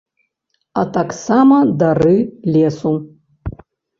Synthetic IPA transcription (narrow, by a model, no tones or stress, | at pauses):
at̪aksamɐd̪arɨlʲesu